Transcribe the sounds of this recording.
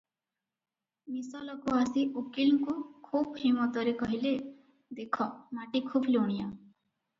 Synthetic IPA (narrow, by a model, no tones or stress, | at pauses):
misɔlɔkoasiʔukilkokʰuːbɦimɔt̪ɔɾekʌɦile | d̪ekʰɔmaʈikʰuːbloɳ̃ija